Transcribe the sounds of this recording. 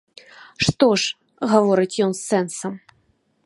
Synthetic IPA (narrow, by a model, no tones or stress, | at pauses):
ʂt̪oʂ | ɣɐvɔɾɨt͡sʲjɔnsːɛnsɐm